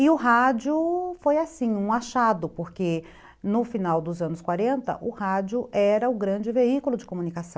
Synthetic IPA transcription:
ɪʊɦad͡ʒʊfojasĩũaʃad̪ʊpoɾke | nʊfinawd̪ʊzɐ̃nʊskwaɾẽnt̪ɐ̰ʔʊhad͡ʒʊʔɛɾɐʊɡɾɐ̃d͡ʒɪveikʊlʊd͡ʒɪkomunikasɐ̃w̃

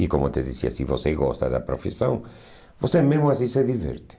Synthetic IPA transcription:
ikomʊt̪ɪðisiɐ̰siβoseɣɔst̪ɐ̰ðɐ̰pɾofisɐ̰̃ŋ | bosemezmʊas̬ĩsɛðivɛ̰ɾt̪ɪ̥

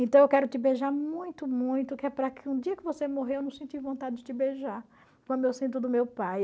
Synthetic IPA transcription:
ẽt̪ɐ̃w̃ewkɛɾʊt̪ɪbeʒaɾmũj̃t̪ʊmũj̃t̪ʊkɪɛpɾɐkʰɪũd͡ʒ̪iɐkɪvosemoɦewewnɐ̃w̃sẽnt͡ʃ̪ivõnt̪ad͡ʒɪd͡ʒɪt̪ɪbeʒaɾ | kwɐ̃nd̪ʊewsĩt̪ʊd̪ʊmewpaj

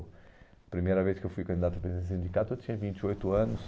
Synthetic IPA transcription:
pɾimejɾɐveʃkewfujkɐ̃nd̪iðat̪ɐpɾẽzẽsĩnd̪ikat̪uewt̪ĩɲɐvĩnt̪iojt̪uɐnuʃ

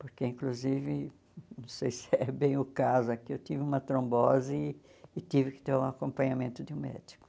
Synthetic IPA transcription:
poɾkeĩŋkluzivɪ | nɐ̃w̃sejsɪɛbẽj̃ʊkazʊakiewt̪ivɪũmɐt̪ɾõmbɔzɪː | t̪ivɪkɪ̥t̪eɾũakõmpɐ̃ɲamẽnt̪ʊd̪ɪũmɛ̰d͡ʒi̥kʊ̥

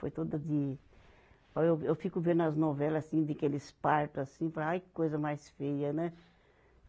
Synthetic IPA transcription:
fo̰jt̪od̪ɐd̪ɪ | oewewfikʊvẽd̪ɐznovɛlɐsĩd̪ɪkelɪspaɾt̪ʊasĩpɾɐajkojzɐmajsfejɐnɛ

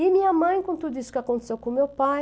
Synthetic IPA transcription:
inĩamɐ̃j̃kõnt̪ud̪isu̥kakõnt̪e̥sewkũmewpa

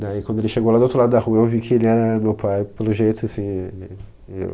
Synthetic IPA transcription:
nɛ̃ɪkwɐ̃nd̪oelɪʃeɡowlad̪ot̪ɾlad̪ʊd̪ɐhuɐewvikʰɪelɪɛɾɐmewpʰajpelʊʒejt̪ʰʊasĩelɪ | ḛw

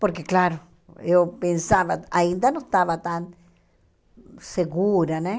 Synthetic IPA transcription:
poɾkeklaɾo | epensaβaaind̪anoest̪aβat̪an | seɣuɾane

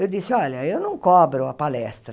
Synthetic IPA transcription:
id̪isalaionuŋkɔpɛɾuapːalɛst̪ɾ

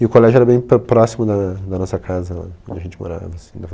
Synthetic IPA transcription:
ɪʊkolɛʒʊɛɾɐbẽj̃ppɾɔsimʊd̪ɐd̪ɐnɔsɐkʰazɐla̰õd͡ʒɪɐʒẽnt͡ʃɪmo̰ɾa̰vɐsĩd̪ɐ

